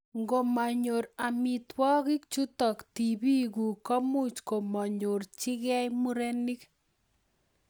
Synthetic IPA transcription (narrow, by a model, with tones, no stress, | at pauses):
ŋɡo˨ma˨ɲo˨ɾa˨mi˨twɔ˦ɣɪ˦k̚t͡ʃu˦tɔ˨kti˨bi˦ɡu˨kɔ˦mu˦t͡ʃko˨ma˨ɲo˨ɾt͡ʃɪ˦ɣɛ˦jmu˦ɾe˦ni˦k